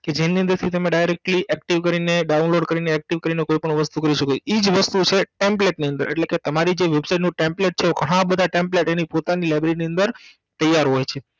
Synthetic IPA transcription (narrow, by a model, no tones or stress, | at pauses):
ked͡ʒeniə̃nd̪əɾt̪ʰit̪emẽɖajɾek̚ʈliʔɛkʈiʋkəɾineɖaunloɖkəɾineːk̚ʈiʋkəɾinekoipəɳ̃ʋəst̪ukəɾiʃəkoid͡ʒʋəst̪ut͡ʃʰeʈempleʈniə̃nd̪əɾḛʈleket̪əmaɾid͡ʒeʋebsajʈnũʈempleʈ̚t͡ʃʰeoɡʱəɽ̃ãbəd̪ʱaʈẽmpleʈenipot̪anilajbɾiniə̃nd̪əɾ | t̪əjːaɾɦojt͡ʃʰe